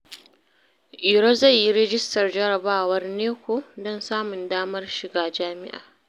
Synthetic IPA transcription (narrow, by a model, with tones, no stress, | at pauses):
ʔiː˨ɾɐ˦za˦˨jːi˦ɾɛ˦d͡ʒɪ˦stɐ˨rd͡ʒɐ˦ɾɐ˨baː˦wɐ˦rneː˦kʷoː˨dɔ˦˨nsaː˦mʊ˨ndaː˦mɐ˦rʃɪ˨ɡaː˨d͡ʒaː˦mɪ̰˦ʔa̰ː˨